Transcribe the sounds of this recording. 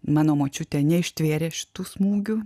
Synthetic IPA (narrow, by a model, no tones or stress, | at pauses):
mɑːnoːmoːt͡ʃʲʊt̪ʲɛːnʲɛɪʃʲt̪ʲʋʲeːɾʲeːʃʲɪ̥t̪uːsmuːɡʲʊ